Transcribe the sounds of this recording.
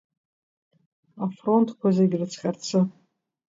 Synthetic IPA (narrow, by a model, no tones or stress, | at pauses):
afro̞ntʰkʷʰazaiɡʲrɨt͡sʰχʲart͡sʰɨ